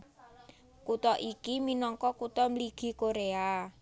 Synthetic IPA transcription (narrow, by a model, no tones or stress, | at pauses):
kut̪ɔʔikiminɔŋkɔkut̪ɔmliɡ̥i̤koɾea